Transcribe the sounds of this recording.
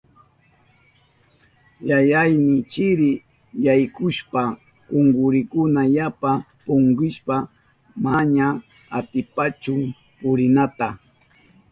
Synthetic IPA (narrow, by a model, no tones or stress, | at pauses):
jajajnɪt͡ʃɪɾɪ | jajkʊʃpa | kʊŋɡʊɾɪkʊnajapa | pʊŋɡɪʃpa | maɲa | at̪ɪpat͡ʃʊŋ | pʊɾɪnat̪a